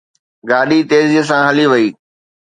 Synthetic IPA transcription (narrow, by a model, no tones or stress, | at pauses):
ɡaːɗit̪eːzijəs̬ãɦɐliʋɐiː